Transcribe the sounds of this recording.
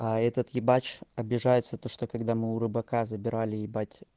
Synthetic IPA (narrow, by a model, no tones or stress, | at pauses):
aɛt̪ət̪jɪbat͡ɕɐbʲɪʐajɪt̪sət̪oʂt̪okɐɡd̪amɨʊɾɨbɐkazəbʲɪɾalʲɪjɪbatʲ